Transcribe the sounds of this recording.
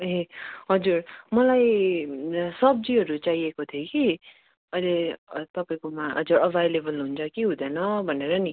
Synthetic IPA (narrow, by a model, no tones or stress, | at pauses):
ɦẽɦʌd͡zuɾmʌlaj | sʌb̚d͡ziɦʌɾut͡saɦiekot̪ʰijoki | ʌjlet̪ʌpaĩkomaɦʌ̰d͡zuɾʌbʱajlebʌlɦunt͡sʰʌkiɦũd̪ʌnʌbʱʌneɾʌni